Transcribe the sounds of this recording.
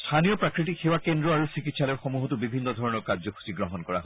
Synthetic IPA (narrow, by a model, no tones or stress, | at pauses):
stʰanijɔpɹakɹit̬ikxewakendɹɔaɹusikitsalɔjxɔmuɦɔtubibʱinːɔdʱɔɹɔnɔɹkaɹzɔkʰu̥siɡɹɔɦɔnkɔɹa̰ɦ